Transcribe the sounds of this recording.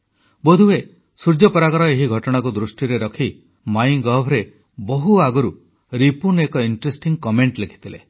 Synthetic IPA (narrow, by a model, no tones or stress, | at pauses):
bod̪ʱue | suɾd͡ʒjɔpɔɾakɔɾɔeɦiɡʱɔʈɔɽ̃ak̬ud̪ɾusʈiɾeɾɔkʰi | majŋɡɔbʱʰɾe | bɔɦuaɡɔɾu | ɾipunekɔiɳʈɾesʈiŋkɔmeɳʈlekʰi̥t̪ʰile